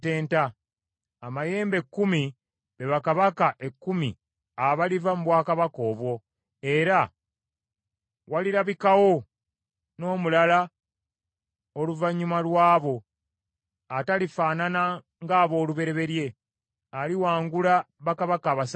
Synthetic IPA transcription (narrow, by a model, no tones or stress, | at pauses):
e̞ːntaː | maje̞ːmbe̞kːumi | βe̞βakaβakaʔe̞kːumi | aβalivamuβwaːkaβako̞ːβwo̞ | e̞ɾa | waliɾaβikawo̞ | no̞ːmulala | oluvaɲːumalwaːβo̞ | atalifaːnana | ŋɡaːβo̞ːluβe̞ɾe̞βe̞ɾje̞ | aliwaːŋɡulaβakaβakaːβas